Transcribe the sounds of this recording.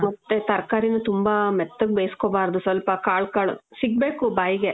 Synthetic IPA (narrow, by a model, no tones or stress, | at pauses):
mɐt̪ːet̪ɐɾɐkaːɾinut̪umbamɛt̪ːɐɡbeːskoːbaːɾd̪usʋɐlpɐkaːɭkaːɭṵsiɡ̚beːkubaːjiɡe̞